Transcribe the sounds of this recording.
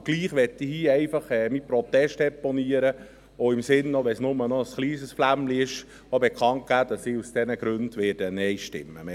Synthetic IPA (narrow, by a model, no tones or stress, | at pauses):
ɡ̥liːχʋɛtːihiːɛɪfɑχɛmipɾɔt̪ːɛʃtɛpɔniəɾə | oɪmsɪnːoʋɛsnʊmənɔəsχliːsəsflæmliɪʃ | obɛkχɑnt̚ɡ̥æːd̥ɑsiːusd̥ɛnəɡ̥ɾønd̥ʋɪːɾd̥ənɛɪʃtɪ̰mːəm